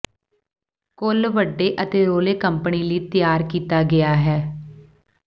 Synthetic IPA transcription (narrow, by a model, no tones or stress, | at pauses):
kʊlʋəɖːeːʔət̪eːɾoːleːkəmpəɳiːliːt̪ɪjaːɾkiːt̪aːɡɪaːɦɛː